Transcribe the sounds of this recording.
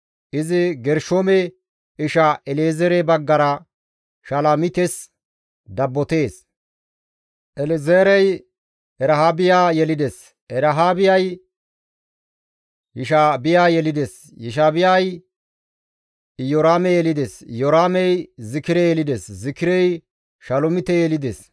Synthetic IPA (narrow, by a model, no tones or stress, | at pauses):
ʔɪzɪɡɛɾʃoːmɛ | ɪʃaʔɛlezɛɾɛbɐɡːɐɾɐ | ʃɐlamɪt̪ɛs | d̪ɐbːɔt̪e̞ːs | ʔɛlɪzeːɾɛj | ɛɾɐɦaːbɪjaːjɛlɪd̪ɛs | ɛɾɐɦaːbɪjɐj | jɪʃaːbɪjaːjɛlɪd̪ɛs | jɪʃ̬aːbɪjaj | jɔɾaːmɛjɛlɪd̪esjɔɾaːmɛjzɪkɪɾɛjɛlɪd̪eszɪkɪɾɛj | ʃɐlɔmɪt̪ɛjɛlɪd̪es